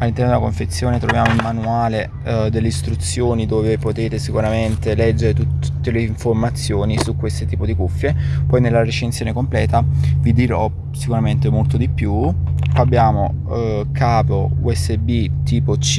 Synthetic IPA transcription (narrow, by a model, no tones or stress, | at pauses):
alːint̪ɛrnod̪elakoɱfet̪sːjoːnet̪ɾovjaːmoimmanuaːle | d̪elːeist̪ɾut̪sːjoːnid̪oːvepot̪eːt̪esikuɾament̪elɛd͡ʒːeɾet̪ut̪t̪ːeleiɱformat̪sːjoːnisukːwest̪ot̪iːpod̪ikufːjepɔjnelːaɾet͡ʃensjoːnekomplɛːt̪avid̪iɾɔ | sikuɾament̪emolt̪od̪ipjuabːjaːmo | kaːpouɛsːebit̪iːpot͡ʃ